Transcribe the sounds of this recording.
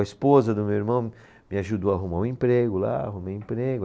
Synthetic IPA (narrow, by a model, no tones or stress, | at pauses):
ɐispozɐd̪ʊmewiɾmɐ̃w̃ | mɪaʒud̪oaɦumaʊ̃ẽmpɾeɡʊla̰a̰ɦumejĩpɾeɡʊ